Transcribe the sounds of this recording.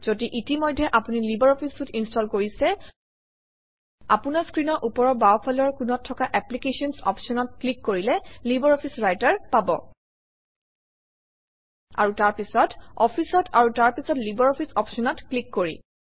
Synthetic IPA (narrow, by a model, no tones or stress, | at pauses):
z̥odiʔitimɔjdʱːɛʔapunilibaɹɔpʰistutinstɔlkoɹisɛ | a̰punaskɹinɔɹʔupɔɹɔbaɔpʰalɔɹkunɔtʰːɔkaʔɛplikesɔnsɔ̰pʰsɔnɔt̚klikːoɹilɛlibaɹɔpʰisɹajtaɹpabɔ̰ | a̰ɹutaɹpisɔtɔpʰisɔtaɹutaɹpisɔtlibɔɹɔpʰisɔpsɔnɔtklikːoɹḭ